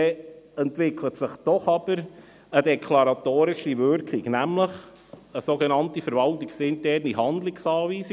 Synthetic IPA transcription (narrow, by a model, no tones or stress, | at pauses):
ɛɛntʋɪkʰlətsɪχd̥ɔχɑb̥əɾ | ədɛkʰlɑɾɑtoːɾɪʃivʏɾkʰɪɡnæmləχ | əsoɡɛnɑntifəɾʋɑltɪksɪntɛɾniɦɑnd̪lɪksɑːviːs